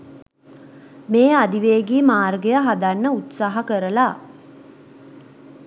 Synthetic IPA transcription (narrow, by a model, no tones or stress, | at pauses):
meːad̪iʋeːɡiːmaːrɡejəɦad̪anːəut̪saːɦɐkəɾəla